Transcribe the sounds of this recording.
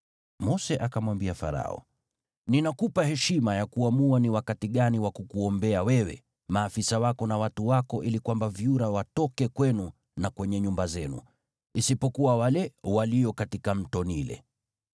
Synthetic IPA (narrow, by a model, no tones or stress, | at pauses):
mɔsɛʔakamwambiafa̰ɾa̰ɔ̰ | ninakupahɛʃimajakuamuaniwakatiɠaniwakukuɔmbɛawɛwɛ̰ | maːfisawakɔnawatuwakɔʔilikwambavjuɾawatɔkɛkwɛnu | nakwɛɲɛɲumbazɛnṵ | isipɔkuwawalɛwalijɔkatikam̩tɔnilɛ̰